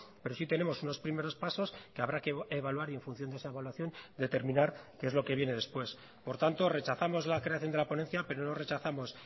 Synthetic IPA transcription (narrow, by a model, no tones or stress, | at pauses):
pe̞ɾo̞sit̪e̞ne̞mo̞suno̞spɾime̞ɾo̞spaso̞skeaβɾakeeβalwaɾie̞ɱfunθjo̞nd̪esaeβalwaθjo̞nd̪e̞t̪eɾmĩnaɾkee̞zlo̞ke̞βje̞ne̞ðe̞spwe̞s | po̞ɾt̪ant̪o̞re̞t͡ʃaθamo̞zlakɾe̞aθjo̞nd̪elapo̞ne̞nθjape̞ɾo̞no̞re̞t͡ʃaθamo̞s